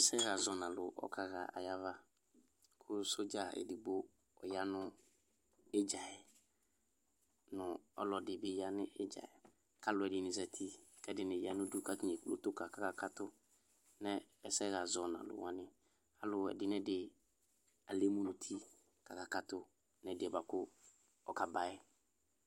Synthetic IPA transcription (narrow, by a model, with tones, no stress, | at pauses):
ɛ˨˦sɛ˦ɣa˨zɔ˨nã˨lʊ˨ʔɔ̰˨˦kʰa˨ɣa̰˨a̰˨ja˦va˦ | kʰʊ˦so˦d͡ʒa˨ɛ̰˨dɪ˨bʊ˦ | ɔ˨ja˦nʊ˦ | e˦d͡ʒa˨ɛ˨ | nʊ̃˨ɔ̰˦lɔ˨dɪ˨bɪ˦ja˦nɪ˦ʔɪ˦d͡ʒa̰˨ɛ˨ | ka˦lʊ˨ɛ˨dɪ˨nɪ̃˨zɛ˨tʰi˦kɛ˦dɪ˨nɪ̃˨ja˨˦nʊ̃˦du˦ka˦tn˨ɛ˨ku˦lo̰˦tʊ˦ka˨ka˨ka˦ka˦tʊ˦ | nɛ˦ɛ˦sɛ˦ɣa˨zɔ˨nã̰˨lʊ̰˨wã˨˦nɪ̃˦ | a˦lʊ˨ɛ̰˨dɪ˦nɛ˦dɪ˨ | a˨le˦mũ˦nʊ̃˨tʰi˦ | ka˨ka˨ka˦tʊ˦ | nɛ˨dɪ˨ɛ˨ba˨kʊ˦ | ɔ˨ka˨ba˦ɪ˦